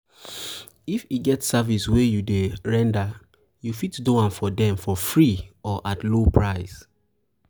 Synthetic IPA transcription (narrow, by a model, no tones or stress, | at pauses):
ifiɡɛtsaviswejudeɹɛ̃nda | jufitdoãnfɔdɛ̃mfɔfɹiɔʔatlopʰɹaɪs